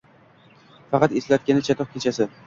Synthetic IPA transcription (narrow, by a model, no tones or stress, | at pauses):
fɑqɑt̪eslat̪̚kʲanɪt͡ʃʰat̪ʰɒq̚kʲʰet͡ʃʰasɪ